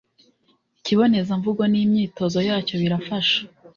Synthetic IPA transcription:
iciβo̞ne̞zaɱvuɡonimɲiːto̞zo̞jaːco̞βiɾafaʃḁ

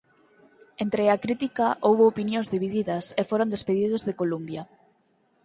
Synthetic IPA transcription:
ent̪ɾeakɾit̪ikaʔowβoːpinjõnzðiβiðiðɐsefoɾond̪espeðið̞ʊzðekolumbjɐ

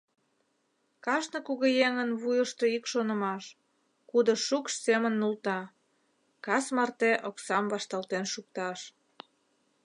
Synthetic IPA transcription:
kɑʃnəkuɣejeŋənβujəʃt̪oikʃonə̆mɑʃ | kud̪ə̆ʃukʃsemənːult̪ɑ | kɑsmɑrt̪eʔoksɑmβɑʃt̪ɑlt̪enʃuk̚t̪ɑʃ

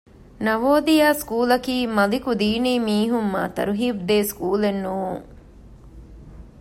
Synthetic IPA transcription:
nɐʋoːd̪ijaːskuːlɐkiːmɐlikud̪iːniːmiːɦumːa̰ːt̪ɐ̰ɾuɦiːbd̪eːskuːlenːuːuŋ

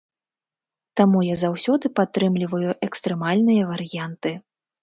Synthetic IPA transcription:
t̪amujazawsʲɔd̪ɨpat̪ːɾɨmlʲivɐjuʔɛkst̪ɾɛmalʲnɨjɐvɐɾɨjant̪ɨ

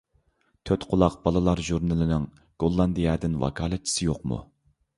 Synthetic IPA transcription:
t̪ʰøt̪qʰʊlˠɑqbɑlˠɨlˠɑɾʒuɾnɨlˠɨnɪŋ | ɡ̥olˠːɑnd̪ijɑd̪ɪnwɑ̰kʰɑːlˠɛt̪̚t͡ʃʰi̥sɪjoqmṵ

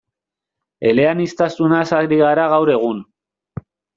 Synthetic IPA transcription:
e̞le̞anist̪asunasaɾiɣaɾaɣawɾe̞ɣ̞un

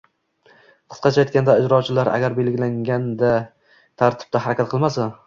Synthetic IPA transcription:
qʰɨ̥sqɑt͡ʃʰajt̪̚kʲand̪aɪd͡ʒɾɒt͡ʃʰɪlaɾʔa̰ɡʲaɾbe̞lɡʲɪlaŋʲand̪a | t̪ʰaɾt̪ʰɪ̥b̚t̪ahaɾakʲat̪̚qʰɨlˠmasa

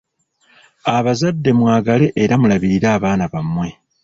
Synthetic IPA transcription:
aβazadːe̞mwaːɡale̞ʔeɾamulaβiɾiɾaːβaːnaβamwe̞

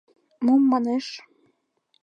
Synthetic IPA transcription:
mumːɑneʃ

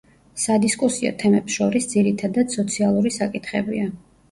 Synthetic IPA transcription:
sad̪iskʼusiɔ̰t̪ʰɛmɛpsʃɔɾisd̪ziɾit̪ʰad̪ad̪sɔt̪sʰialˠuɾisakʼit̪ʰχɛbḭa

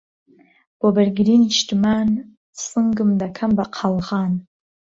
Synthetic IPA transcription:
b̥oberɡʲriniʃtman | sɨŋɡɨmdakʰambaqʰalʁan

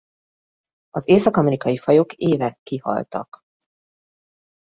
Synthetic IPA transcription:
ɒzeːsɒkɒmɛɾikɒjifɒjo̞kʰeːvɛkːihɒ̰lt̪ɒ̰k

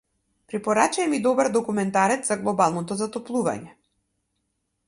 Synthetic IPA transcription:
pɾɛpɔɾat͡ʃaɛmid̪ɔbaɾd̪ɔkumɛnt̪aɾɛt̪z̥aɡlˠɔbalˠnɔt̪ɔzat̪ɔplˠuva̰ɲɛ

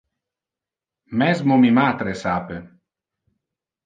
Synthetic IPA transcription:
mɛzmomimat̪ɾesaːpe

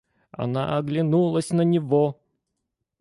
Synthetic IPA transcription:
ɐ̰na̰ʔɐɡlʲɪnulˠəsʲnənʲɪvo

